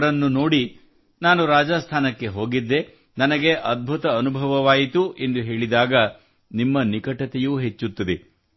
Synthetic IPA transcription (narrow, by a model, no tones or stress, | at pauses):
ɾɐnːuno̞ːɽi | naːnuɾaːd͡ʒaːst̪ʰaːnɐkːe̞ɦo̞ːɡid̪ːe | nɐnɐɡe̞ʔɐd̪̚bʱut̪ɐɐnubʱɐʋɐʋaːjit̪uʔe̞nd̪uɦe̞ːɭid̪aːɡɐ | nimːɐnikɐʈɐt̪ɛjuːɦet͡ʃːut̪ːɐd̪e